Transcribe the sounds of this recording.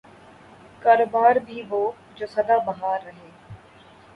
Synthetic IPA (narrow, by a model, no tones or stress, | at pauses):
kaːɾoːbaːɾbʱiːʋoː | d͡ʒoːsɐd̪aːbɐɦaːɾːəɦeː